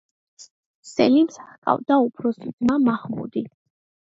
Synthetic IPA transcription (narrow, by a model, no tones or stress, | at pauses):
sɛlimsḁχkʼa̰vd̪aupʰɾɔsid̪zmamaχmṵd̪i